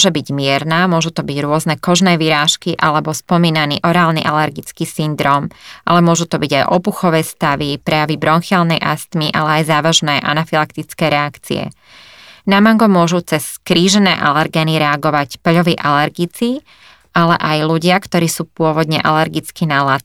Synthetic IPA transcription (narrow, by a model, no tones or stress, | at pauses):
ʒɛbiɟmɪɛɾnaːmʊɔʒut̪ɔbiɟɾʊɔznɛkɔʒnɛːʋiɾaːʃkiʔalɛbɔspɔmiːnanḭːʔɔɾaːlnḭʔalɛɾɡit͡skiːsind̪ɾɔːmʔalɛmʊɔʒut̪ɔbiɟajʔɔpuxɔʋɛːst̪aʋipɾɛjaʋibɾɔnxalnɛjʔast̪miʔalɛajzaːʋaʒnɛːʔa̰nafilakt̪it͡skɛːɾɛakt͡sḭɛ̰ | namaŋɡɔmʊɔʒut͡sɛskɾiːʒɛnɛ̰ːʔalɛɾɡɛniɾɛaɡɔʋacpʎɔʋiːʔalɛɾɡit͡si | alɛ̰ʔajluɟɪakt̪ɔɾiːsuːpʊɔʋɔd̪ɲɛʔalɛɾɡit͡skiːnalat̪̚